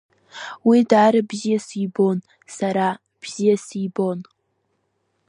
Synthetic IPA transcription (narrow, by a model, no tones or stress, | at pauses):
widaːɾabzijasibo̞n | saɾa | b̥z̥ijasibon